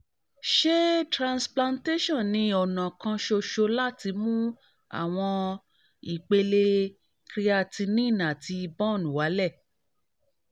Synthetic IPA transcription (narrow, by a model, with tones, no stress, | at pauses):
ʃe˦tɾã˧nsplã˧nte˦ʃɔ̃˦˨nĩ˧˦ɔ˨nã˨kã˧ʃo˧ʃo˧la˦˨ti˧mũ˦ | a̰˦˨w̃ɔ̃˧ | i˨k͡pe˧le˧ | kɾi˧˦a˧˨ti˧nĩ˦˨nã˨ti˧i˧bɔ̃˦˨nũ˨wa˨˦lɛ˦˨